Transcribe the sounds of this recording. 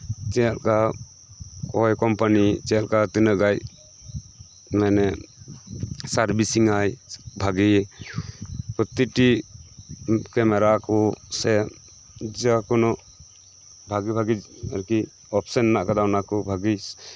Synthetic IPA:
t͡ʃɛalka | kɔjkɔmpanit͡ʃɛalkat̪inəʔɡaj | mɛnɛ | saɾbisiŋajbʱaɡi | pɔt̪iʈi | kɛmɛɾakɔsɛ | d͡ʒakɔnɔʔ | bʱaɡibʱaɡid͡ʒaɾki | ɔpsənnaʔkad̪awnakɔbʱaɡi

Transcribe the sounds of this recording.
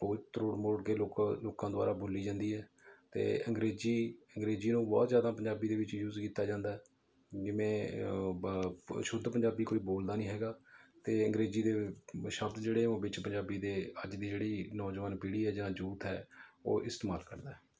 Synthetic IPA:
poːt̪əɾoːɽmoːɖɡeːloːkloːkãːd̪oʊa̰ːɾaːboːliːd͡ʒãːnd̪iːɦɛːt̪ḛːəŋɡɾeːziːəŋɡɾeːziːnũːbɔ̰ːt̪zjaːd̪aːpəɲd͡ʒaːbiːd̪eːʋɪt͡ʃjuːzkiːt̪aːd͡ʒãːnd̪aːɛː | d͡ʒɪʋẽː | ʃʊd̪pəɲd͡ʒaːbiːkoːiːboːld̪aːnĩːɦɛːɡaːt̪eːəŋɡɾeːziːd̪eːʃəbt̪d͡ʒeːɽeːõːbɪt͡ʃpəɲd͡ʒaːbiːd̪eːəd͡ʒd̪iːd͡ʒeːɽiːnɔːd͡ʒʋaːnpiɽiːɦɛːd͡ʒããːd͡ʒuːt̪ɦɛ̰ːo̰ːʔɪst̪eːmaːlkə̰ɾd̪aːɦɛː

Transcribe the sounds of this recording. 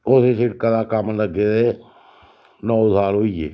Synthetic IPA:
ʊsesɪʈ̚kad̪akəmləɡeteː | nɔːʊd̪ʱaːɾɦoːiḛː

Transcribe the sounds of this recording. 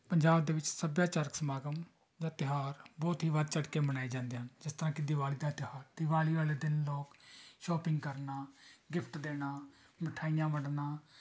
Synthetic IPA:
pəɲd͡ʒaːbd̪eːʋɪt͡ʃsəbjaːt͡ʃəɾəksəmaːɡəm | d͡ʒãːt̪ɪɦaːɾbɔːt̪ɦiːʋəd̪̚t͡ʃəɖkeːmənaːiːd͡ʒãːnd̪eːɦənd͡ʒɪst̪əɾãːkɪd̪ɪʋaːliːd̪aːt̪ɪɦaːɾd̪ɪʋaːliːʋaːleːd̪ɪnloːkʃɔːpɪŋɡkəɾnaːɡɪpʰt̪d̪eːnaː | məʈʰaːijãːʋəɽnaː

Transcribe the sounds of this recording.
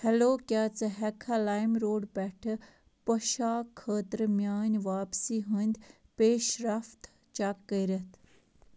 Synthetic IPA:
hɛloːkjaːt͡sɐɦɛkʰalaːjmɾoːɖbɛʈʰ | pəʃaːkʰːəːt̪əɾmjaːnʋaːpsiːɦunʲd̪ | peːʃɾɐft̪ | t͡ʃɐkːəɾɐt̪ʰ

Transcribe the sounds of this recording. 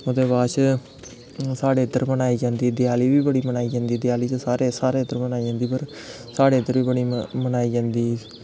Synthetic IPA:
ʊd̪eːbaːʃ | saːɽeːɪt̪ːəɾmənaːiːd͡ʒãːnd̪iːd̪ɪjaːliːʋiːbəɽiːmənaːiːd͡ʒãːnd̪iːd̪ɪjaːliːt͡ʃsaːɾeːsaːɾeːd̪əɾmənaːiːd͡ʒãːnd̪iːpəɾ | saːɽeːd̪əɾʋiːbəɽiːmənaːiːd͡ʒãːnd̪iː

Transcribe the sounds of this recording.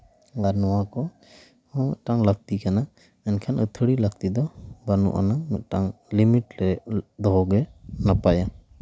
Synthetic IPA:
ɡaɾnɔwakɔ | hɔ̃ʔʈaŋlab̚t̪ikana | ɛnkʰanət̪ʰəɽilak̚t̪id̪ɔbanṵʔa̰nanəʔʈaŋlimiʈɾɛd̪ɔɦɔɡɛnapaja

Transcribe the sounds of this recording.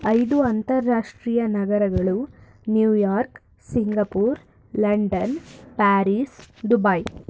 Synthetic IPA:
ɐjd̪uɐnt̪ɐɾːaːʂʈɾiːjɐnɐɡɐɾɐɡɐɭu | njuːjaːɾk | siŋɡɐpuːɾ | lɐɳɖɐnpaːɾiːsd̪ubɐj

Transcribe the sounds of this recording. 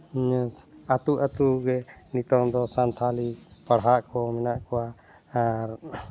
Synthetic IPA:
at̪uʔat̪uɡɛnit̪ɔŋd̪ɔsant̪ʰalipaɽɦaʔkɔmɛnaʔkɔwa | aɾ

